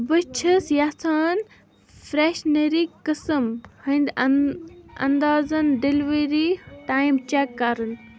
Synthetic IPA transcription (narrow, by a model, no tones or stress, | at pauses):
bət͡ʃʰɐsjasʰaːn | fɾeʃnɐɾikəsəmhɐnd̪ | ɐ̰nd̪aːzɐnɖelʋeɾiʈaːjimt͡ʃakːaɾɨn